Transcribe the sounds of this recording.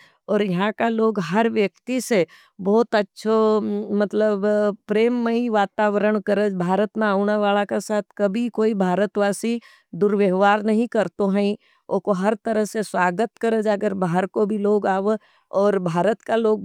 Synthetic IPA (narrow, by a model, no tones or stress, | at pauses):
ɔːɾjɐɦãkaloːɡɦɐɾʋjəkt̪ise | bɔːt̪ɐtːʃʰomɐt̪ləbpɾeːmːeiʋaːt̪aːʋəɾəɽ̃kəɾəd͡ʒbʱaːɾət̪mẽaːʊnaʋaːlakasaːt̪ʰkɐbʱikoːibʱaːɾət̪ʋaːsi | d̪ʊɾʋjəɦʋaːɾnɐɦĩkɐɾt̪oɦɛ̃ĩ | oːkoɦɐɾt̪ɐɾəɦseswaːɡət̪kɐɾəd͡ʒɐɡəɾbaːɦəɾkobʱiloːɡaːʋe | ɔːɾbʱaːɾət̪kaloːɡ̚